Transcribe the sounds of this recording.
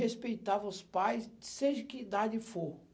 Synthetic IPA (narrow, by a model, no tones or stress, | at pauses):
espejt̪avɐʊspajsseʒɐkɪid̪ad͡ʒɪfo